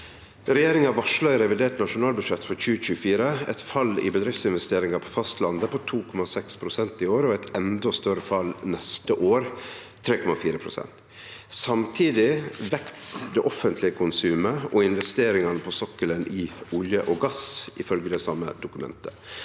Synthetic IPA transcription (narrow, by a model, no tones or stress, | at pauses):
ɾɛjeːɾɪŋɑʋɑʂɭœɪɾɛʋɪd̪eːʈnɑʂʊnɑːlbʉʂɛt̪ːfɔɾçʉːəc͡çʉːəfiːɾəɛ̰t̪fɑlɪ̰bəd̪ɾɪft̪sɪnʋɛst̪eːɾɪŋɑpʰɔ̥fɑst̪lɑnd̪əpʰɔt̪ʰuːkʰɔmɑsɛkspʰɾʊsɛnt̪ɪoːɾɔɛt̪ɛnd̪ɔst̪œɾəfɑlnɛst̪əʔoːɾt̪ʰːɾeːkʰɔmɑfiːɾəpʰɾʊsɛ̰nt̪ | sɑmt̪ʰiːd̪ɪʋɛkt̪sd̪ɛʔɔfənt̪lɪəkʰʊnsʉːməʔɔɪnʋɛst̪eːɾɪŋɑnəpʰɔsɔkːələnʔɪʊljəʔɔɡɑsɪfœlɡəd̪ɛsɑmə̰d̪ʊkʉmɛ̰nt̪ʰə